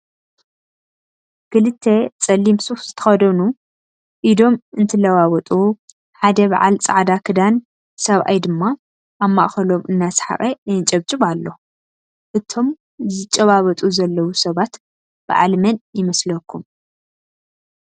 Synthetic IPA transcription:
kʰɨlɨt̪ʰːet͡sʼɐlːimsufz̥ɨt̪ʰɐ̥xɐd̪ɐnu | ʔid̪o̞mɨnt̪ʰɨlɐwawɔt̪ʼu | ħad̪ɐβa̰ʕa̰lt͡sʼa̰ʕd̪akʰɨd̪an | sɐβʔa̰jd̪ɨmːa | ʔamːa̰ʔxɐlo̞mʔɨnːasħa̰xʼeɨt͡ʃʼɐβt͡ʃʼɨβalːo̞ | ʔɨt̪ʰo̞m | zɨt͡ʃʼːɐβaβɐt̪ʼuzɐlːɐwusɐβat̪ | b̥ɐ̰ʕa̰lmɐnjɪmɐslɐkʰːum

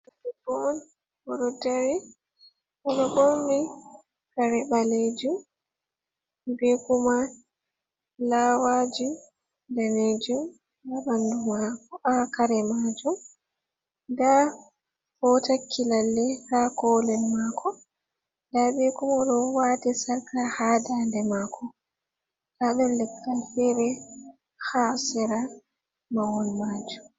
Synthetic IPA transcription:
ɛbɔn | bɔɗɔdaɾi | ʔɔɗɔbomːi | kaɾɛɓaled͡ʒum | bekuma | laːwad͡ʒu | dɛned͡ʒum | abandumakɔʔakaɾɛmad͡ʒum | ɡa | fɔtakʰːilalːɛhakɔlɛlmaːkʰɔ | daːɓikɔmɔɗɔwaːtisaɾkahaːdandɛmaːkʰɔ | taɓɛllɛkːalfɛɾɛ | haːsɛɾa | mawɔnmad͡ʒum

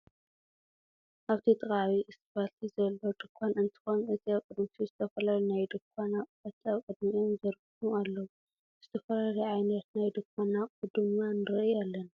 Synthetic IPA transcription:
ʔaβt̪ʰit̪ʼɨχʼaβiʔɨsbalt̪ʰizɐlːo̞d̪ɨkʷʰːanɨnt̪ʰi̥xo̞nɨt̪ʰiawkʼɨd̪mit̪ʰizɨt̪ʰɐfɐlalunajd̪ɨkʷʰʼːanakʼbɐt̪ːiawkʼɨd̪miomzɐɾɡumualːɐwu | z̥ɨt̪ʰɐfɐlaluʕajnɐt̪najd̪ɨkʷʰʼːanakʼud̪ɨmnanɨɾɐʔalːɐn

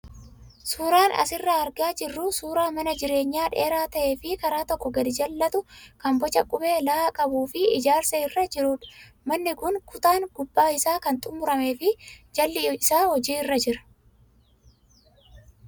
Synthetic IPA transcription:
suːɾaːnɐ̰sɪrːɐɐɾɡaːd͡ʒɪrːʊsuːɾaːmɐnɐd͡ʒɪɾeːɲːaːᶑeːɾaːt̪ɐʔe̞ːfɪkɐɾaːt̪ɔkːɔɡɐd̪ɪd͡ʒɐlːɐt̪ʊkɐmbɔt͡ʃɐkʼʊbe̞ːlɐakʼɐbuːfɪɪd͡ʒaːɾsɐɪrːɐd͡ʒɪɾuːᶑ | mɐnːɪkʊnkʊt̪aːŋɡʊbːaːɪsaːkɐnt̪ʼʊmːʊɾɐmeːfɪd͡ʒɐlːɪɪsaːhɔd͡ʒiːɪrːɐd͡ʒɪɾɐ̥

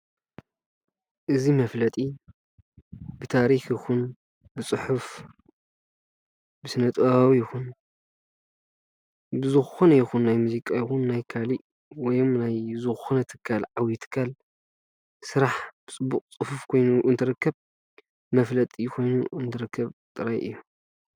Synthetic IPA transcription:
ʔɨzimɐflɐt̪ʼi | bɨt̪ʰaɾixjɪxun | bɨt͡sʼɨħuf | bɨsɨnɐt̪ʼɐβawijɪxun | bɨzɨxxonɐjɪxunːajmuzikʼajɪxunːajkʰaliʔ | wɔjomnajzɨxxunɐt̪ʰɨ̥kʰːalʕawjit̪ʰɨ̥kʰːal | sɨɾaħb̥ɨt͡sʼɨbːukʼt͡sʼɨħufkʰo̞jnuʔɨnt̪ʰɨɾɨkːɐβ | mɐflɐt̪ʼijkʰo̞jnuʔɨnt̪ʰɨɾɨkʰːɐβt̪ʼɨɾajʔɨ̰jːom

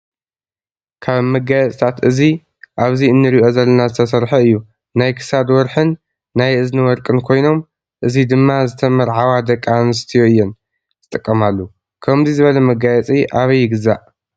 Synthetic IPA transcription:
kʰaβmɐɡajɛt͡sʼt̪ʰat̪ʔɨzi | ʔaβziɨnːɨɾiʔo̞zɐlːɐnazɨt̪ʰɐsɐɾħɐɨjːu | najkʰɨ̥sad̪wɔɾħɨnː | ajʔɨznɨwɔɾkʼɨnkʰo̞jno̞m | ʔɨzid̪ɨmːazɨt̪ʰɐmɐɾʕawad̪ɐkʼːanɨst̪ʰijoɨjːɛn | ɨt̪ʼɨkʼːɐmalːu | kʰɐmzizɨβɐlɐmɐɡajɛt͡sʼiʔaβɐjːɪɡɨzaʔ

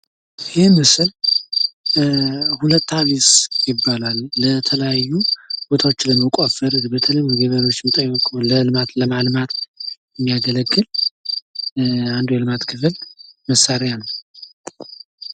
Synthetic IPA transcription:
jemɨsɨl | hulət̪ːaβisjɪbːalalːət̪ʰələjajːub̥o̞t̪ʰawo̞t͡ʃːləmːəkʼofəɾbət̪ʰələjɡeβəɾo̞t͡ʃːmət̪ʼəjːkʼləlɨmat̪ləmalmat̪jɛmːijaɡələɡːɨl | and̪ujɛlɨmat̪kʰɨfɨlməsːaɾejanəw

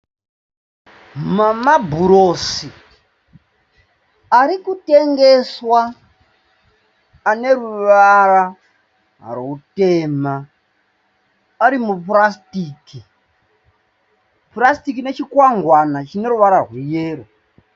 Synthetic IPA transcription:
mamabʱuɾosi | aɾikuteŋɡeswa | ne̞ɾuʋara | routema | aɾimuprastiːki | purastikine̞t͡ʃikwaŋɡwanat͡ʃine̞ɾuʋaɾarwijeːro

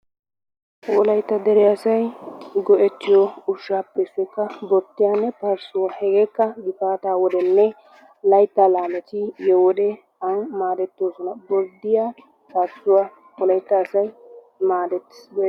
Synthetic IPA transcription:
wɔlɐjt̪ːɐd̪ɛɾɛɐsɐjɡɔʔɛt̪ːɪjɔʊʃːaːpːesːɛkːɐbɔɾt̪ːɪjanːɛpɐɾsʊwɐhɛɡeːkːɐɡɪt̪aːt̪aːwɔd̪ɛnːɛ | lɐjt̪ːalaːmɛt̪ɪjɛwɔd̪ɛ | ɐŋmaːd̪ɛt̪ːoːsɔnɐbɔɾd̪ɪja | pɐɾsʊwa | wɔlɐjt̪ːɐːsɐj | maːd̪ɛt̪ːɪ̥sb

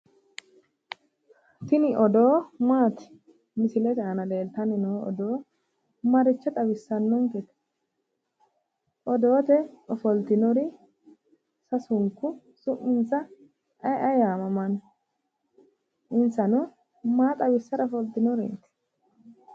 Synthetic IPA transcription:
t̪ɪnɪʔɔd̪o̞ːmaːt̪ɪ̥ | mɪsɪlɛt̪aːnɐleːlt̪ɐnɪnoːɔ̰d̪o̞ː | mɐɾɪt͡ʃːɛt̪ʼɐbɪsːɐnːɔŋkɛt̪ | ʔɔd̪o̞ːt̪ɛɔfɔlt̪ɪnɔɾɪ | sɐsʊŋkːʊ | sʊʔːɪnt͡sːɐ | ɐjʔɐjaːmɐmɐn | ɪnt͡sːɐnɔ | maːt̪ʼɐbɪsːɐɾɔfɔlt̪ɪnɔɾḛːt̪

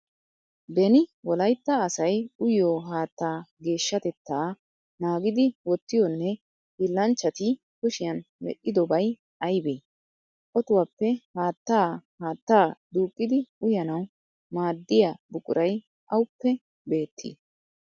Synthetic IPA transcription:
bɛnɪwɔlɐjt̪ːɐːsɐjʊjoːɦaːt̪ːaːɡe̞ːʃːɐt̪ɛt̪ːaː | naːɡɪd̪ɪwɔt̪ːɪjɔnːɛ | hɪlːɐnt͡ʃːɐt̪ɪ | kʊʃɪjɐnmɛ̰ʔːɪd̪ɔbɐj | ɐjbeː | ʔɔt̪ʊwapːɛhaːt̪ːaːhaːt̪ːaːd̪uːkʼːɪd̪ɪʊjɐnɐw | maːd̪ːɪjabʊkʼʊɾʔɐj | ʔɐwʊpːɛ | be̞ːt̪ʰːḭː

